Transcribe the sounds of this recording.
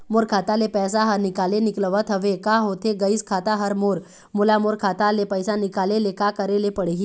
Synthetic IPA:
moɾkʰat̪alepɛːs̬aɦəɾnikalenikləʋət̪ʰɦəʋekaɦot̪ʰeɡəiskʰat̪aɦəɾmoɾ | mulamoɾkʰat̪alepəjsãnikalelekakəɾelepəɽ̤eɦi

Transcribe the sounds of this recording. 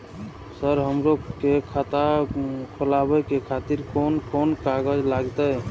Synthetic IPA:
səɾɦəmɾokekʰat̪akʰolabəkekʰat̪iɾkonkonkaɡəd͡ʒlaɡt̪əj

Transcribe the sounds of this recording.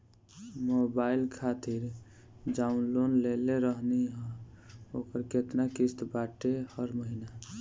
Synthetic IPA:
mobailkʰat̪iɾ | ɖaunlonleleɾəɦniɦə̃ | okəɾket̪nakist̪baʈehəɾməɦina

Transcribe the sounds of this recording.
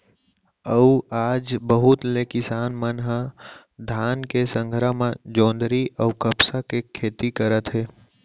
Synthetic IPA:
əuaːd͡ʒbəɦʊt̪lekɪsaːnmənɦã | d̪ʱaːnkesə̃ŋɡʱɾəmãd͡ʒõːnd̪ɾiʔɔːkəpsakekʰeːt̪ikəɾət̪ɦeː

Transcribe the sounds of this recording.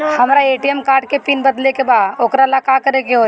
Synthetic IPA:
hɐmɾaeːʈiɛmkaːɾɖkepiːnbəd̪lekebaːd̪oːkɾalakakəɾekeɦo

